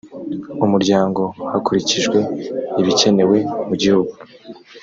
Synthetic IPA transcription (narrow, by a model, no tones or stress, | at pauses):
umuɾɟaːŋɡo̞hakuɾiciʒɡwe̞iβice̞ne̞we̞muɟihuɡu